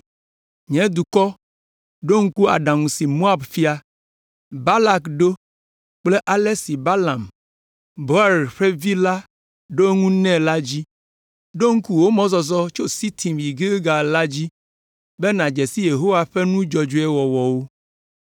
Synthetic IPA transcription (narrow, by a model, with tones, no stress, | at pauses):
ɲɛ̃˦d̪u˨kɔ˦ | ɖo˦ŋ̩˦ku˦a̰˨ɖã˨ŋũ˨si˨mo˦a˨bfi˦a˦ | ba˦la˦kɖo˦ | k͡ple˦ʔa˨le˦si˨ba˦la˨m | bo˦a˦˨ɾɸe˦vi˦la˦ | ɖo˦ŋũ˦nɛ̃˦la˦d͡ʑi˦ | ɖo˦ŋ̩˦ku˦wo˦mɔ̃˦zɔ˨zɔ˦t͡ʃo˦si˦t̪ʰi˨mvi˨ɡe˦ɡa˨la˦d͡ʑi˦ | bɛ˦nã˨d͡ʒɛ˨si˦je˨ɦo˦wa˨ɸɛ˦nũ˦d͡ʒɔ˨d͡ʒu˨˦ɛ˦wɔ˨wɔ˨wo˦